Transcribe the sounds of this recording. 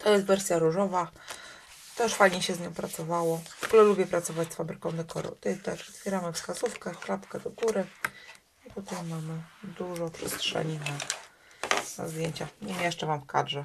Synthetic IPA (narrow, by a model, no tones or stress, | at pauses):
t̪ʰɔjɛst̪vɛɾsʲjaɾuʐɔva | t̪ɛʂfajɲɛɕɛzɲɔ̃w̃pɾat̪sɔvawɔvɔɡulɛlubʲjɛpɾat̪sɔvat͡ɕʲsfabɾɘkɔ̃w̃d̪ɛkɔ̰ɾɔ̰̃w̃t̪ɔjɛst̪t̪ɛʂɔt̪fʲjɛɾamɘfskazufkɛklapkɛd̪ɔɡuɾɘ | ipɔt̪ɛmːamɘd̪uʐɔpʂɛ̰stʂɛ̰ɲina | na̰zd̪ʲjeɲt͡ɕaɲɛmjɛʂt͡ʂɛvamfka̰dʐɛ